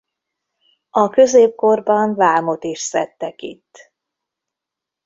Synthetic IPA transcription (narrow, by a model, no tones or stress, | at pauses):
ɒkø̞zeːp̚ko̞rbɒnvaːmo̞t̪iʃsɛt̪ːɛkit̪ː